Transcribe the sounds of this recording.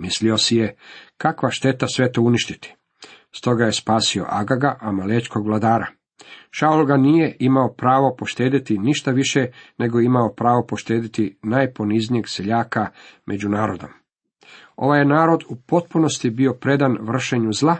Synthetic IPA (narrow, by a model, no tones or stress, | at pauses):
mislio̞sije̞kakʋaʃt̪e̞t̪asʋe̞t̪ouniʃt̪it̪i̥ | st̪o̞ɡaje̞spaːsio̞̰ʔaɡaɡaʔamaleːt͡ʃko̞ɡʋlad̪aːɾa̰ | ʃaulɡaniːje̞ʔimaopɾaːʋo̞po̞ʃt̪e̞ːd̪it̪iniʃt̪aʋiʃene̞ɡo̞jeimaopɾaːʋo̞po̞ʃt̪e̞ːd̪it̪inaːjpo̞niznije̞ɡseʎaːkamʔe̞d͡ʑunaːɾo̞d̪o̞m | o̞̰ʋajenaːɾo̞d̪upo̞t̪̚puno̞st̪ibio̞pɾe̞d̪anʋr̩ʃeɲuzlˠa